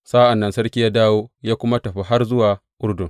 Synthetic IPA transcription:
saː˦ʔa˨nːɐ˨nsɐ˦rkʲi˦jaː˦daː˦woː˦jaː˦kʷʊ˦ma˦tɐ˨ɸi˦ɦa˦rzʊ˦waː˨ʔʊ˦ɽdʊ˨ŋ

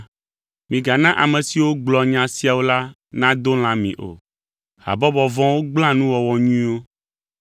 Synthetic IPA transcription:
mĩ˨ɡa˨nã˦ʔa̰˨mẽ˨si˨wo˦ɡ͡blɔ˨ɲã˨si˦a˨wo˦la˦ | nã˦d̪o˦l̃ã˦mḭ̃˨ʔo̰˨ | ha̰˨bɔ˦bɔ˨vɔ̃˦wo˦ɡ͡bl̃ã˦nũ˦wɔ˨wɔ˨ɲũ˦ĩ˦wo˦

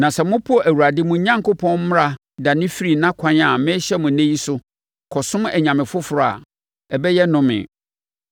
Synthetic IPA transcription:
nã˨sɛ˨mʊ̃˦pʰʊ˦ɔ˨ʔæ˨wu˨ɾa˨dɪ˦mʊ̃˨˦ɲã˦ŋko˦pʰɔ̃˦nmʊ̃˦a˨ | da˨nɪ̃˦fi˦ɾi˨nã˦kʷʰã˦n˦a˨mɪ̃˦ɕɛ˦mʊ̃˨nẽ˦ji˦sʊ˦ | kʰɔ˨sʊ̃˦mɛ˨ɲã˨mɪ̃˨fʊ˦fʊ˨ɾʊ˨a̰˨ | ɛ˨bɛ˦jɛ˦nʊ̃˦mɪ̰̃˨

